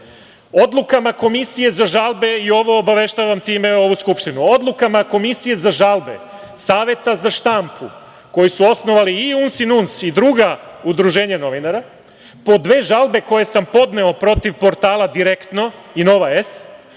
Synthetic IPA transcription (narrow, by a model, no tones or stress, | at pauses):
o̞d̪lˠukamako̞misije̞zaʒalˠbe̞io̞ʋo̞ːbaʋe̞ʃt̪aʋamt̪iːme̞o̞ʋuskupʃt̪inuo̞d̪lˠukamako̞misije̞zaʒalˠbe̞̰ | saːʋje̞t̪azaʃt̪ampʰu | ko̞jisuo̞sno̞ʋaliːunsinunsid̪ɾuɡaud̪ɾuʒe̞ːɲano̞ʋinaɾa | po̞d̪ʋe̞ːʒalˠbe̞ko̞je̞sampo̞d̪ne̞o̞pɾo̞t̪iʋpo̞ɾt̪aːlˠad̪iɾekt̪no̞ino̞ʋaes